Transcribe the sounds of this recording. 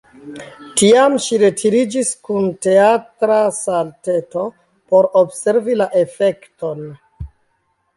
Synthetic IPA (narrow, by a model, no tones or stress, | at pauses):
tiamʃiɾe̞tʰiɾid͡ʒiskunte̞atɾasalte̞to̞ | po̞ɾobse̞ɾvilaʔe̞fe̞kto̞n